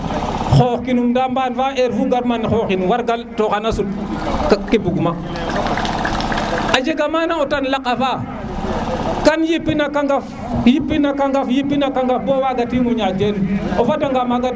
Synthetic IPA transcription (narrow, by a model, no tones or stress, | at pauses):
xoːxkinumdambanfaʔeɾfuɡaɾmanxoxinwaɾɡaltokanasu | kkibuɡma | ad͡ʒeɡamanaotanlakːafa | kanjipːinakaŋɡaf | jipːinakaŋɡafjipːinakaŋɡafbowaɡatiŋɔɲad͡ʒenofataŋɡamaɡa